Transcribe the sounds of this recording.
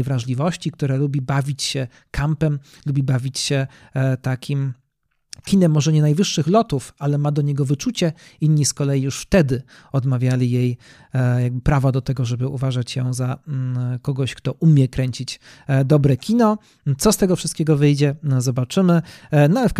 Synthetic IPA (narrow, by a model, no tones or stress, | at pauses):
jvɾaʐlʲivɔɕt͡ɕik̚t̪uɾɛlubʲibavʲit͡ɕɕɛ | kʰampɛm | lubʲibavʲit͡ɕɕɛ | t̪akʲʰim | kʲinɛmːɔʐɛɲɛnajvɘʂːɘxlɔt̪ufalɛmad̪ɔɲɛɡɔvɘt͡ʂut͡ɕɛinɲiskɔlɛjijuʂft̪ɛd̪ɘ | ɔd̪mavʲjalʲijej | jaɡ̚bɘpɾavɔd̪ɔt̪ɛɡɔʐɛbɘʔuvaʐat͡ɕjɛ̃za | kɔɡɔɕkt̪ɔʔumʲjɛkɾɛɲt͡ɕit͡ɕ | d̪ɔbɾɛkʲʰinɔ | t̪sɔst̪ɛɡɔfʂɨst̪̚kʲɛɡɔvɘjd͡ʑɛzɔbat͡ʂɘmɘnɔafk